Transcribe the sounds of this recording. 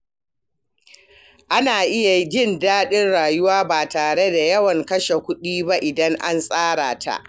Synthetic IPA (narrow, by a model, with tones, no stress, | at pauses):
ʔa˦naː˨ʔɪ˦ja˨˦d͡ʒɪ˦ndaː˦ɗɪ˦nɽaː˨jʊ˦waː˦baː˨taː˨ɽe˦da˨jɐ˦wɐ˨ŋkɐ˦ʃe˨kʷʊ˦ɗiː˦ba˦ʔɪ˨dɐ˦ŋʔa̰˦nsʼaː˦ɽaː˨tʰa̰˨ʔ